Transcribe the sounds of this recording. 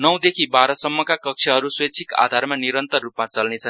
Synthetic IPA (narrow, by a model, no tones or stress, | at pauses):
nʌw̃d̪ekʰibaɾʌsʌmːʌkakʌk̚t͡sʰʌɦʌɾuswʌjt͡sʰika̰d̪ʱaɾmaniɾʌnt̪ʌrːupmat͡sʌlnet͡sʰʌ